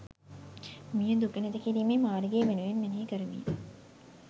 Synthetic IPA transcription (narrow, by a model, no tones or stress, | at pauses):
mijɐnd̪ukened̪ekiɾiːmeːmaːɾiɡeːʋenuʋenmeneekəɾuʋḭː